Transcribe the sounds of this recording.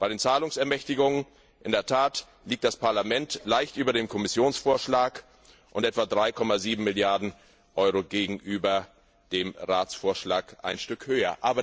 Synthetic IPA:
b̥aɪɾeːnt͡saːlʊŋsɛɐmɛçtɪɡʊŋən | ʔɪndeːɐtʰaːt | liːk̚t̚d̥aspaɐlamɛntlaɪçtʔyːbɐdeːmkʰɔmɪsjoːnsfoːɐʃlaːk | ʔʊntʔɛtv̥adʁaɪkʰɔmaziːbm̩mɪljaɐdn̩ | ʔɔʏʁoɡeːɡŋ̩ʔyːbɐ | d̥eːmʁaːt͡sfoːɐʃlaːkʔa̰ɪnʃtʏkhøːɐ̰ʔaːbɐ

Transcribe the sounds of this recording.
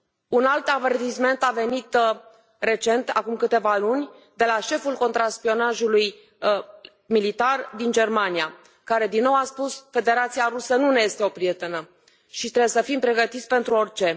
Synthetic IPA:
unalt̪ave̞rt̪isme̞nt̪ave̞nit̪ | re̞t͡ʃe̞nt̪a̰kumkɨt̪e̞valunʲ | d̪e̞laʃe̞fulko̞nt̪ɾaspio̞naʒuluj | milit̪ard̪ind͡ʒe̞rmanija | kaɾe̞d̪inːo̞waspusfe̞d̪e̞ɾat̪siaɾusənuneje̞st̪e̞o̞pɾije̞t̪e̞nə | ʃit̪ɾeesəfimpɾe̞ɡət̪it̪sʲpe̞nt̪ɾuo̞rʲt͡ʃe̞

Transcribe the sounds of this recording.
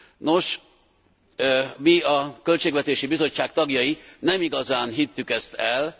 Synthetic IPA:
no̞ʃ | miɒkølt͡ʃeːɡvɛt̪eːʃibizo̞t͡ʃːaːkt̪ɒɡjɒjinɛmiɡɒzaːnɦit̪ːykɛst̪ɛl

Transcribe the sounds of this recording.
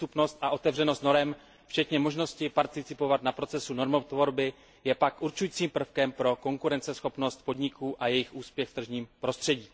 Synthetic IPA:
t̪upno̞st̪ʔaʔo̞t̪ɛvrɛnost̪no̞ɾɛm | ft͡ʃɛt̪ɲɛmo̞ʒno̞scɪpaɾt̪ɪt͡sɪpo̞vat̪napɾo̞t͡sɛsuno̞ɾmot̪vo̞ɾbɪ | jɛpakʔuɾt͡ʃujiːt͡siːmpr̩fkɛmpɾo̞ko̞ŋkuɾɛnt͡sɛsxo̞pno̞st̪̚po̞dɲɪkʰuːʔajɛjɪxʔuːspjɛxft̪r̩ʒɲiːmpɾo̞st̪r̝̥ɛɟiː

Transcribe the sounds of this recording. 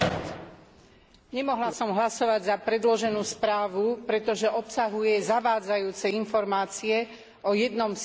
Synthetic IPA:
ɲɛmɔɦlasɔmɦlasɔʋaɟzapɾɛd̪lɔʒɛnuːspɾaːʋupɾɛt̪ɔʒɛʔɔpsaɦujɛzaʋaːd͡zajuːt͡sɛinfɔɾmaːt͡siɛ | ʔɔjɛd̪nɔms

